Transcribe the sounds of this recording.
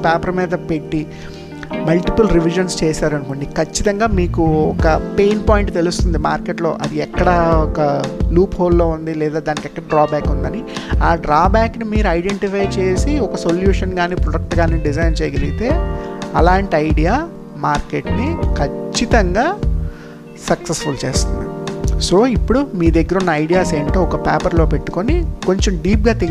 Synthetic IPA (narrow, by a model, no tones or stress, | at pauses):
paːpɐɾɐmɛːd̪ɐpe̞ʈːi | mɐlʈipɐlɾiʋiʒɐnst͡ʃeːsaːɾɐnukoɳɖikʰɐt͡ʃːit̪ɐŋɡaːmiːkuɔkɐpejnpaːjiɳʈt̪elust̪und̪imaːɾkeʈlo̞ːʔɐd̪iɛkːɐɽɐɔkɐluːphoːlːo̞ːund̪ilɛːd̪aːd̪aːnikɛkːɐɽɐɖɾaːbaːkund̪ɐniaːɖɾaːbaːknimiːɾuɐjɖeɳʈipʰɐjt͡ʃe̞ːsiɔkɐsoljuːʂɐnɡaːniːpɾoɽɐk̚ʈɡaːniːɖizɐjnt͡ʃɛjɐɡeliɡit̪e̞ːɐlaːɳʈiɐjɖijaː | maːɾkeʈnikʰɐt͡ʃːit̪ɐŋɡaː | sɐksesfult͡ʃeːst̪und̪ḭso̞ːipːuɽumiːd̪eɡːɐɾɐunːɐɐjɖijaːseːɳʈoːɔkɐpaːpɐɾlo̞ːpe̞ʈːu̥ko̞niko̞ɲt͡ʃɐmɖiːp̚ɡaːt̪i